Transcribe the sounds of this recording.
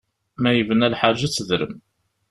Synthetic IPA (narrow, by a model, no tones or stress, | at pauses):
mæjəvənælħaʒæt͡sːəðɾə̰m